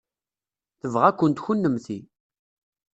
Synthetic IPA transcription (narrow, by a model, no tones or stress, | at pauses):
θəvʁækʷːənt̪çunːəmθi